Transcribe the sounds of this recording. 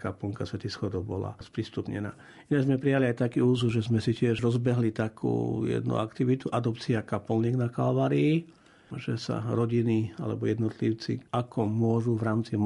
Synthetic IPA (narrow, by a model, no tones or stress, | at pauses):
kapɔŋkasʋɛt̪isxɔd̪ɔbɔla̰spɾist̪upɲɛ̰na̰ː | inaɡzmɛpɾijaliajt̪akiːuːzuʒɛzmɛsicɪɛʒɾɔzbɛɦlit̪akʰṵːjɛ̰d̪nṵakt̪iʋit̪uʔad̪ɔpt͡siakapɔlniɡnakalʋaːɾiː | ʒɛsa̰ɾɔɟinia̰lɛ̰bɔjɛd̪nɔt̪liʊt͡sḭakʰɔmʊɔʒuʋɾaːmt͡sim